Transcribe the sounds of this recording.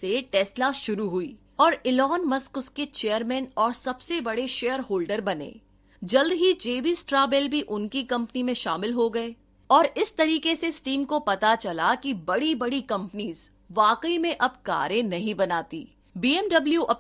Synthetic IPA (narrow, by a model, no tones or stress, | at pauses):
seʈɛːslaʃʊɾuɦʊiː | ɔːɾɪlɔːnmɐskʊsket͡ʃeːjəɾmɛ̃ːnɔːɾsɐbsebɐɽeʃeːjəɾɦoːlɖəɾbɐnḛː | d͡ʒɐld̪ɦid͡ʒeːbisʈɾaːbɛlbʱiʔʊnkikɐ̃mpnimẽʃa̰ːmɪlɦoɡɐe | ɔːɾɪst̪ɐɾiːkeseɪsʈiːmkopɐt̪at͡ʃɐlakibɐɽibɐɽikɐ̃mpniːz | ʋaːkəimẽʔɐbka̰ːɾẽnɐɦĩbɐnaːt̪ḭː | biːɛmɖɐbljuʔɐ